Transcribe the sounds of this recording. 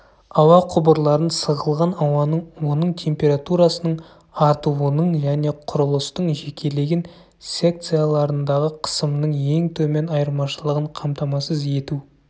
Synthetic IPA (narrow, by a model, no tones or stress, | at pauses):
ɑwɑqʰʊbəɾlˠɑɾənsəʁəlˠʁɑnɑwɑnəɴwo̞nəɴt̪ʲʰe̞mpʲe̞ɾat̪uɾɑsənəɴ | ɑɾt̪uwənəɴʒæne̞qʰʊɾəlˠəst̪əɴʒe̞kʲʰe̞le̞ɡʲen | sʲe̞k̚t̪sɨjalˠɑɾənd̪ɑʁəqʰə̥səmnəɴje̞ŋt̪ʰɵme̞nɑjəɾmɑʃəlˠəʁəɴqʰɑmt̪ɑmɑsəze̞t̪u